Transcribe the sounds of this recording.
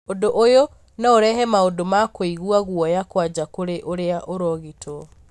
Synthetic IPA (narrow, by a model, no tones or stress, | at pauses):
odoʔojo | naoɾɛɦɛmaodomakoiɣuaɣwɔjakwad͡ʑakoɾeʔoɾeaʔoɾɔɣitʰɔ